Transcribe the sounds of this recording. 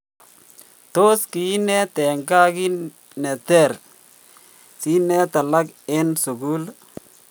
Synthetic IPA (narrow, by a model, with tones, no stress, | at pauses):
t̪o˦ski˨˦nɛ˦t̪ɛ˨ŋɡa˦ki˦ | nɛ˨t̪ɛ˦˨ɾ | si˦nɛ˦t̪a˨la˦kɪ˦nsʊ˨ɡu˦l